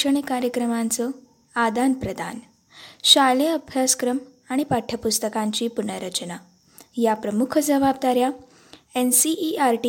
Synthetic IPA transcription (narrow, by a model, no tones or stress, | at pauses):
əɳ̃ikaɾjəkɾəmant͡sɔ | ad̪anpɾəd̪a̰n | ɕaleəbʱjaskɾəm | aɽ̃ipaʈʰːəpust̪əkãɲt͡ɕiːpunəɾət͡ɕna | japɾəmukʰd͡zəʋabd̪aɾja | ensiʔiaɾʈi